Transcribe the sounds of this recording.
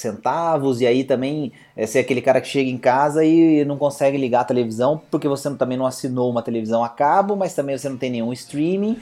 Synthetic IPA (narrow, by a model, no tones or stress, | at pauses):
sẽnt̪avʊzɪait̪ɐ̃mbẽj̃ | ɛsɛakelɪkaɾɐkɪ̥ʃeɡɐẽkazɐɪnɐ̃w̃kõsɛɡɪliɡaɐt̪elevizɐ̃w̃poɾkevosent̪ɐ̃mẽnɐ̃w̃asinowũmɐt̪elevizɐ̃w̃akabʊmɐjst̪ɐ̃bẽj̃vosenɐ̃w̃t̪ej̃nẽj̃ũɪst̪ɾĩmĩ